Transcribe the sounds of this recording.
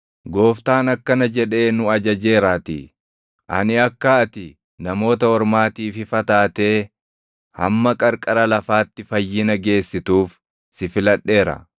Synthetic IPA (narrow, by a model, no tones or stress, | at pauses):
ɡo̞ːft̪aːnɐkːɐnɐd͡ʒɛᶑe̞ːnʊɐd͡ʒɐd͡ʒe̞ːɾaːt̪ɪ̰ | ʔɐ̰nɪɐkːɐɐt̪ɪ | nɐmo̞ːt̪ɐɔɾmaːt̪iːfɪfɐt̪aːt̪e̞ː | hɐ̰mːɐkʼɐɾkʼɐɾɐlɐfaːt̪ːɪfɐjːɪnɐɡe̞ːsːɪt̪uːf | sɪfɪlɐᶑːe̞ːɾɐ̰